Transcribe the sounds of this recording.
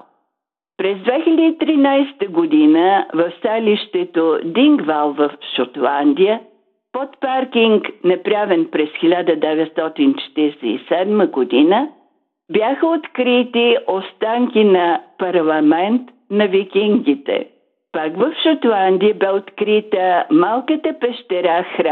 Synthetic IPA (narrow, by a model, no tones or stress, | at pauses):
pɾɛzd̪vɛxʲɛlʲɛd̪iit̪ɾinajst̪əɡod̪inəvɐfst̪aliʃt̪ɛt̪od̪iŋɡvalˠvəfʃot̪lˠand̪ijə | pɔt̪paɾkiŋknɐpɾavɛnpɾɛsxilʲad̪əd̪ɛvɛt̪st̪ɔt̪int͡ʃɛ̥t̪iɾɛsɛḭsɛd̪məɡod̪inə | bjaxəot̪kɾit̪iʔost̪aŋkʲinɐpɐɾlˠɐmɛnt̪ | nɐvikʲiŋɡit̪ɛ̰ | pakvɐfʃot̪lˠand̪ijəbɛot̪kɾit̪əmalˠkət̪əpɛʃt̪ɛɾaxɾa